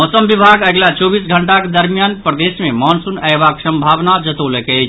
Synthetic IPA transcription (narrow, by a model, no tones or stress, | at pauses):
mɔːsəmbibʱaɡəɡlat͡ʃɔːbiːsɡʱəɳʈaked̪əɾmijaːnpɾəd̪esmemɔːnsunɛbaksə̃mbʱaːʋnad͡ʒət̪oleke